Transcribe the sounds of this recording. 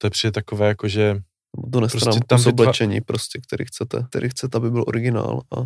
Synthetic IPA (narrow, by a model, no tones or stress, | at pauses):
t̪ojɛpr̥iːdɛt̪akovɛːjakoʒɛ | nbot̪onɛsɾosɾaːmɛkt̪uzblɛt͡ʃɛɲḭːpɾoscɛkt̪ɛɾḭːxt͡sɛt̪ɛ̰t̪ɛɾʔiːxt͡sɛt̪ɛabɪbɪlʔo̰ɾɪɡɪna̰ːla